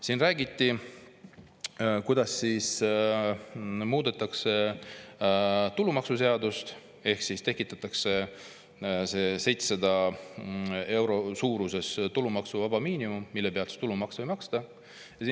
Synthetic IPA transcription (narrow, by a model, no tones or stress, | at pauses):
siːnræːɡit̪ːˑi | kujd̪ɑsːiːs | muːd̪̥et̪ːˑɑkse̞ | t̪ulumɑksuse̞ɑd̪ust̪ | e̞hksist̪e̞kːˑit̪ːˑɑt̪ːˑɑkse̞ | sese̞jt̪ssɑd̪̥ɑ | e̞wɾo̞suːɾuse̞st̪ulumɑksuvɑb̥ɑmiːnimumːilːe̞peɑlt̪se̥t̪ulumɑksvojmɑkst̪ɑ | jɑsiː